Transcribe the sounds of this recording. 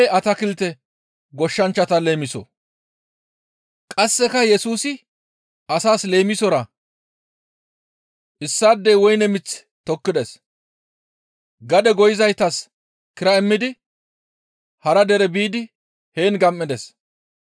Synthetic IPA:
eɐt̪ɐkɪlt̪ɛ | ɡɔʃːɐnt͡ʃːɐt̪ɐle̞ːmɪsɔ̰ | kʼɐsːɛkɐjɛsuːsɪ | ɐsaːsle̞ːmɪsɔɾɐ | ʔɪsːaːd̪ːeːwɔjnɛmɪt͡sː | t̪ɔkːɪd̪ɛs | ɡɐd̪ɛɡɔjɪzɐjt̪ɐs | kɪɾɐɛmːɪd̪ɪ | hɐɾɐd̪ɛɾɛbiːd̪ɪ | he̞ːnɡɐmːɪd̪ɛs

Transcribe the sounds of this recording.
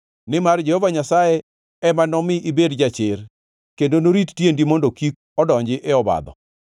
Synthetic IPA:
nɪmard͡ʒehɔvaɲasaje | ɛmanɔmɪʔibedd͡ʒat͡ʃɪr | kendonoɾittjendimɔndokik̚ɔdɔɲd͡ʒɪʔɛɔba̰d̪ɔ̰

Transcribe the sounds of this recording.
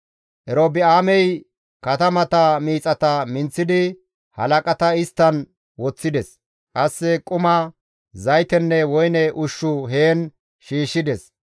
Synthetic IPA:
ʔɛɾoːbɪaːmɛj | kɐt̪ɐmɐt̪ɐmiːt͡sʼɐt̪ɐmɪnt͡sːɪd̪ɪ | hɐ̰lɐkʼɐt̪ɐɪst̪ːɐn | wɔt͡sːɪd̪ɛs | kʼɐsːɛkʼʊmɐ | zɐjt̪ɛnːɛwɔjnɛʔʊʃːʊɦeːn | ʃiːʃːɪd̪ɛs

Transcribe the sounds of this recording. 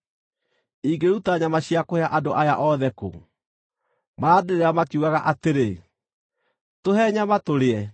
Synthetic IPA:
iɡeɾutaɲamaɕiakoeaʔadoʔajaʔɔðɛko̰ | maɾaːdeɾeɾamakiuɣaɣaʔateɾe | toɦɛɲamatoɾeɛ

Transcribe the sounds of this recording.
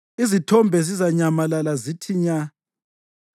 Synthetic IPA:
izitʰɔmbʱɛzizaɲamalalazitʰiɲa

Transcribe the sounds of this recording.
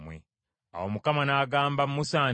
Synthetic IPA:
mwḛ | a̰womukamanaːɡaːmbamːusaː

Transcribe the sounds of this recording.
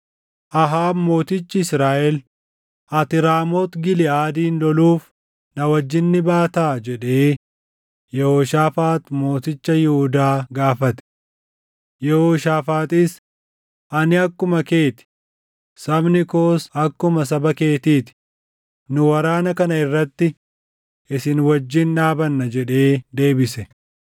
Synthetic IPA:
ʔɐɦaːbmo̞ːt̪ɪt͡ʃːɪɪsɾaːʔɛl | ʔɐt̪ɪɾaːmoːt̪ɡɪlɪaːd̪iːnlɔluːf | nɐwɐd͡ʒːɪnːɪbaːt̪aːd͡ʒɛᶑeː | jɛhoʃaːfaːt̪mo̞ːt̪ɪt͡ʃːɐjɪhʊd̪aːɡaːfɐt̪ɛ̥ | jɛhoːʃaːfaːt̪ɪs | ʔɐnɪɐkːʊmɐke̞ːt̪ɪ̥ | sɐbnɪkoːsɐkːʊmɐs̬ɐbɐke̞ːt̪iːt̪ɪ̥ | nʊwɐɾaːnɐkɐnɐɪrːɐt̪ːɪ | ʔɪsɪnwɐd͡ʒːɪnᶑaːbɐnːɐd͡ʒɛᶑe̞ːd̪e̞ːbɪsɛ

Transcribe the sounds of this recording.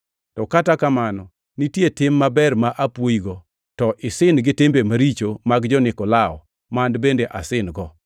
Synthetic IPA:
tɔkatakamanɔ | nitjetɪmːabɛrmaʔapwoiɡɔ | tɔʔɪsɪnɡɪtembemaɾit͡ʃomaɡd͡ʒɔnɪkɔlaɔ̰ | mandbendeʔasɪnɡɔ

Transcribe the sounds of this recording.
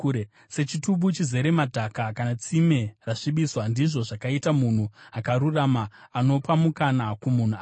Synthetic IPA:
ɾe | se̞t͡ʃituɓut͡ʃize̞ɾe̞madʱakakanat͡sime̞raʂiɓiswandiʐo̞ʐakaitamun̤uakaɾuramaːno̞pamukanakumun̤ua

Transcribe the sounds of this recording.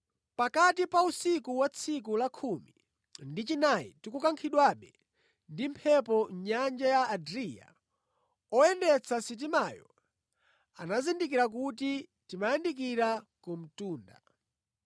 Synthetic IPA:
pakatipausikuwat͡sʰik̬ulakʰumi | ndit͡ʃinajḭtikukaŋkʰiɗwaɓɛ | ndimpʰɛpɔɲand͡ʒajaːdɾija̰ | ɔɛndɛt͡sʰasit̬imajɔ̰ | anazindik̬iɾak̬ut̬itimajandikiɾakum̩tuːnda̰

